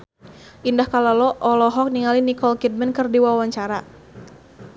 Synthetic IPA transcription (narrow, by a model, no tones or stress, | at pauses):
ʔindahkalɔlɔʔɔlɔɦɔk̚niŋalinikɔlkit̪̚mɛnkɨrdiwawaɲt͡ʃaɾa